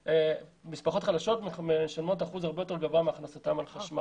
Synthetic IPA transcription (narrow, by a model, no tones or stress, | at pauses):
emispaχo̞tχadaʃo̞tmmeʃanmo̞taχuzaʁbejot̪e̞ʁɡavameaχnasatamalχaʃma